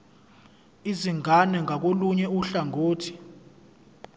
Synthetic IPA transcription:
iziŋanɛŋʱak̬oluɲɛuɬaŋʱoːtʰi̥

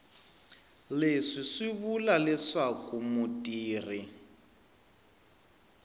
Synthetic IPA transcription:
leʂiʂiβulalɛʂakumutʼiːri

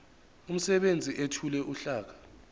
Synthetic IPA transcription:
um̩sɛɓend͡zʱiʔetʰulɛʔuɬaːk̬ḁ

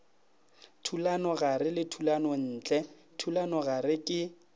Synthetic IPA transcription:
tʰulanɔɣarɪlɪtʰulanɔn̩ːt͡ɬʼɛ | tʰulanɔɣarɪkʼɪ

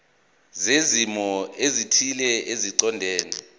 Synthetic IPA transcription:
zezimɔezitʰilɛeziǀɔndʱɛːni

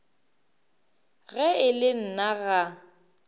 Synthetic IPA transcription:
ɣɛɪlɪn̩naɣa

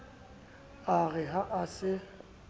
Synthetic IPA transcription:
aɣɛɦaʔasɪ

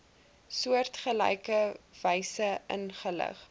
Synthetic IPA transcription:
suərtχəlɛ̰jkəv̥ɛjsəə̰nχələ̰χ

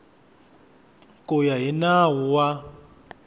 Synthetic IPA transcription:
kʼʊjaɦinawɔwa

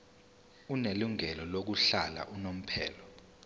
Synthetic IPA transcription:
uneluŋɛlɔlok̬uɬala̰ʔunom̩pʰɛ̰ːlɔ

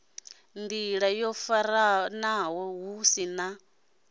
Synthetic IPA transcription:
nd̪iɺajɔfaɾanawɔɦusina

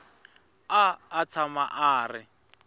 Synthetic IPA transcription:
aːt͡sʰamaʔaːrɪ

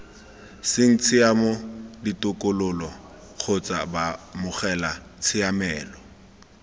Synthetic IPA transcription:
sɪŋ̩t͡sʰɪamɔditʼʊkʼʊlʊlɔ | k͡xʰot͡sʼabamʊχɛla | t͡sʰɪamɛːlɔ

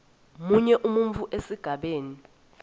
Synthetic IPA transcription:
muɲɛʔumuɱvuʔesiɡ̥ʱaɓeːni

